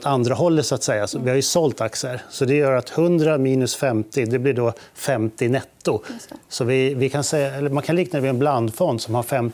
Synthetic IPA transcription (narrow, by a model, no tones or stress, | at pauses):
t̪and̪ɾaɦɔlːət̪sʊat̪sɛjːasɔvɪhaɾjɵsɔlt̪aksəɾsɔd̪ɛjœːɾat̪hɵnd̪ɾamiːnɵsfɛmt̪ɪd̪ɛblɪɖɔ | fɛmt̪ɪnɛt̪ːʊsɔvɪvɪkʰansɛɛlːəmankʰanliːknad̪ɛvɪɛnbland̪fɔnd̪sɔmhaɾfɛm